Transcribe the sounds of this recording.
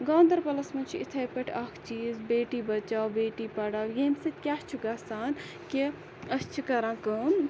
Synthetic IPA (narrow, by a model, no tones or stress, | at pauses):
ɡãːnd̪ɐɾpɐlɐsmɐnt͡ʃʰiit̪ʰɐjpɐʈʰɐkʰt͡ʃiːzbeːʈibɐt͡ʃawbeːʈipɐɽaːwjemsɐt̪kʲjast͡ʃʰuɡasaːn | ke | ɐst͡ʃʰikɐɾãːkɐm